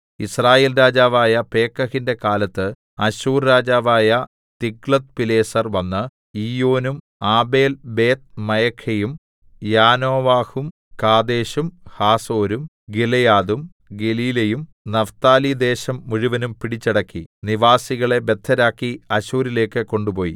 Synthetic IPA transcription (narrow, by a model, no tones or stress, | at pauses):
israːjeːlɾaːd͡ʑaːʋaːjɐpe̞ːkːɐhinde̞kaːlɐt̪ːɨ | ɐɕuːrɾaːd͡ʑaːʋaːjɐ | t̪iɡɭɐt̪̚pile̞ːsɐrʋɐnːɨ | iːjo̞ːnum | aːbe̞ːlbe̞ːt̪̚mɐjɐkʰːejum | jaːno̞ːʋaːhum | kaːd̪e̞ːɕumhaːso̞ːɾum | ɡelɐjaːd̪um | ɡeliːlɐjum | nɐft̪aːlid̪e̞ːɕɐmːuɻuʋɐnumpiɽit͡ɕːɐɽɐkːiniʋaːsiɣɐɭe̞be̞d̪ʱːɐɾaːkːiɐɕuːɾile̞ːkːɨko̞ɳɖupo̞ːjḭ